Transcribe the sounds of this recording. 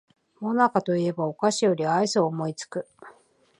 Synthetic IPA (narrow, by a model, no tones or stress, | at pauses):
mo̞nakat̪o̞ie̞bao̞kaɕijo̞ɾʲiaisoːmo̞it͡sɨ̥kɯ̟